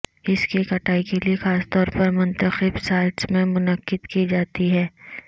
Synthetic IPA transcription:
ɪskikɐʈaːikeliexaːst̪ɔːɾpɐɾmʊ̃nt̪əxɪbsaːɪʈsmẽmʊnəqːɪd̪kid͡ʒaːt̪iɦɛː

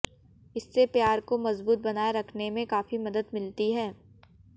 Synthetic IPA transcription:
ɪsːepjaːɾkomɐzbuːt̪̚bɐnaːeɾɐkʰnemẽkaːfimɐd̪əd̪mɪlt̪iɦɛː

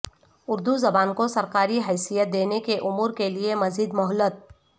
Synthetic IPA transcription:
ʊɾd̪uzɐbaːnkosɐɾkaːɾiɦɛːsijət̪̚d̪eːnekeʔʊmuːɾkeliemɐziːd̪mɔɦlət̪̚

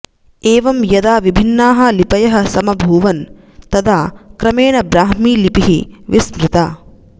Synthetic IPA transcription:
eːʋɐmjɐd̪aːʋibʱinːaːɦɐ̆lipɐjɐɦɐ̆sɐmɐbʱuːʋɐn | t̪ɐd̪aːkɾɐmeːnɐbɾaːɦmiːlipiɦiʋismɾɪt̪aː

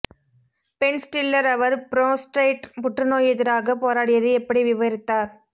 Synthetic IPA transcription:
pɛnsʈɪlːɐɾɐʋɐɾpɪɾoːsʈɾɐɪʈpʊʈrɯnoːjɛðɪɾaːɣɐpoːɾaːɽɪjɐðɯɛpːɐɽiʋɪʋɐɾɪt̪ːaːɾ

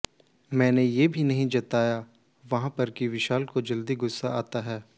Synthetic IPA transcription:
mɛ̃ːnejeːbʱinɐɦĩd͡ʒɐt̪aːja | ʋɐɦãpɐɾkiʋɪʃaːlkod͡ʒɐld̪iɡʊsːaaːt̪aɦɛː

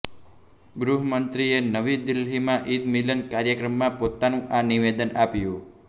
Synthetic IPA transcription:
ɡɾuɦəmənt̪ɾienəʋid̪ɪlɦimãʔid̪milənkaɾjəkɾəmːãpot̪anũʔaniʋed̪ənapjũ

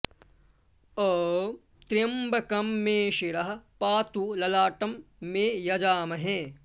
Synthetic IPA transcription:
əː | t̪ɾijɐmbʱɐkɐmːẽːʃiɾɐɦɐ̆paːt̪ulɐlaːʈɐmːẽːjɐd͡ʒaːmɐɦɛ̃ː

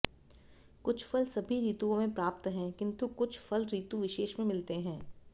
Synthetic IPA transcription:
kʊt͡ʃʰfɐlsɐbʱiɾiːt̪uõmẽpɾaːp̚t̪ɦɛ̃ːkɪ̃nt̪ukʊt͡ʃʰfʰɐlɾiːt̪uʋɪʃeːʃmẽmɪlt̪eɦɛ̃ː

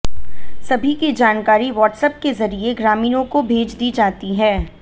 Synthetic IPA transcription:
sɐbʱikid͡ʒaːnkaːɾiʋɔːʈsəp̚kezɐɾieɡɾaːmiːnõkobʱeːd͡ʒd̪iːd͡ʒaːt̪iɦɛː

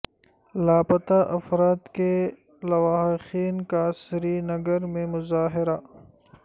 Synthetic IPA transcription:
laːpɐt̪aʔɐfɾaːt̪ke | lɐwaːɦxiːnkaːsɾinɐɡəɾmẽmʊzaːɦɪɾa

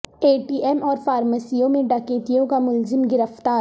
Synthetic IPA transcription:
eːʈiːɛmɔːɾfaːɾməsijõmẽɖɐkeːt̪ijõkamʊlzɪmɡɪɾəft̪aː

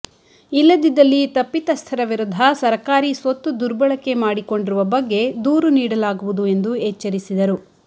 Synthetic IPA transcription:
ilːɐd̪id̪ɐlːit̪ɐpːit̪ɐst̪ʰɐɾɐʋiɾud̪ʱɐsɐɾɐkaːɾisʋɐt̪ːud̪uɾbɐɭɐke̞maːɽiko̞ɳɖiɾuʋɐbɐɡːe̞d̪uːɾuniːɽɐlaːɡuʋud̪ue̞nd̪uet͡ʃːɐɾisid̪ɐɾu

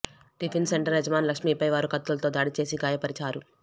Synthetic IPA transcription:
ɖipʰinseɳʈɐɾɦɛd͡ʒɐmaːnlɐkʂmiːpɐjʋaːɾukɐt̪ːulɐt̪o̞ːd̪aːɽit͡ʃe̞ːsiɡaːjɐpɐɾit͡ʃaːɾu

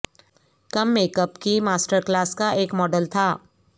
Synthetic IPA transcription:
kɐmːeːkəpkimaːsʈəɾklaːskaʔeːkmɔːɖəlt̪ʰaː

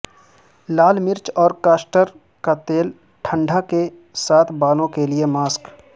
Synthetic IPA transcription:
laːlmɪɾt͡ʃɔːɾkaːsʈəɾ | kat̪eːl | ʈʰə̃ɳɖʱake | saːt̪ʰbaːlõkeliemaːsk

